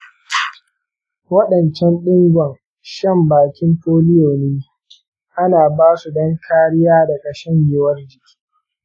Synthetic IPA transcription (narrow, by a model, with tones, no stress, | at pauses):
wɐ˦ɗɐ˨nt͡ʃɛ˦nɗɪ˦ŋɡʷɔɐ˨ŋ | ʃɐ˦˨mbaː˨kʲɪ˦ntoː˦lɪ˦joː˨neː˦ | ʔa˦naː˨baː˦su˨dɐ˦ŋkʰaː˦ɽɪ˦jaː˦da˨kɐ˨ʃɛ˦ŋjɪ˨wɐ˦rd͡ʒɪ˨kʲʰi̥ː˦